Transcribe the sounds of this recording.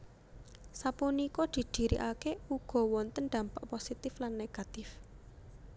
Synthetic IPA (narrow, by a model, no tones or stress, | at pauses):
sapunikɔd̪̥i̤d̪̥i̤ɾḭʔakeuɡ̥ɔ̤wɔnt̪ənɖ̪ä̤mpaʔposit̪ɪflanːeɡ̥a̤t̪ɪf